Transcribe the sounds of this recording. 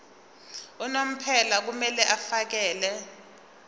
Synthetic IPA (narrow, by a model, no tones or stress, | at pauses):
ɔnom̩pʰɛlak̬umɛlɛʔafak̬ɛːlɛ